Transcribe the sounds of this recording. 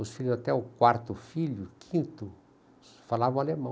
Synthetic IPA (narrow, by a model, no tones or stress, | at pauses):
ʊsfilʊzat̪ɛʊkwaɾt̪ʊfiʎʊkʰĩnt̪ʊ | falavɐ̃w̃alemɐ̃